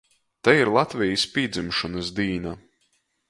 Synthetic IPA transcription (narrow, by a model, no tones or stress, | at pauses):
t̪aiɾlˠat̪vʲijisʲpʲiːd̪zimʃɔnɐsd̪iːna